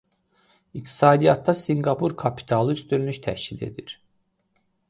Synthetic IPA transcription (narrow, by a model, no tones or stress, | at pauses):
ik̚t̪ʰi̥sɑːd̪ijɑt̪ːɑsiŋɡapʰuɾkʰapʰi̥t̪ʰalˠɯyst̪ynlyʃt̪ʰæ̰hʃcilḛd̪iɾ̥